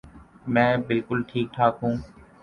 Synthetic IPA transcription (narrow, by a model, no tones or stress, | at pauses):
mɛ̃ːbɪlkʊlʈʰiːk̚ʈʰaːkɦũː